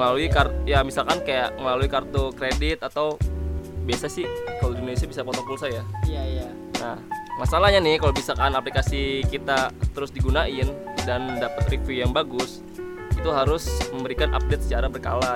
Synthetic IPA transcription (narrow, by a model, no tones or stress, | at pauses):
əlaluikarjamisalkankajaʔməlaluikart̪okɾedɪt̪at̪aw | biasasɪhkalodinonesiabisapɔt̪ɔpusajaaja | namasalahɲanɪhkalobisakanaplikasikit̪at̪əɾʊsdiɡunaʔɪndandapət̪rikijaŋbaɡʊs | it̪uɦaɾʊsməmbəɾikanʔa̰p̚det̪̚sə̥t͡ʃaɾabərka̰la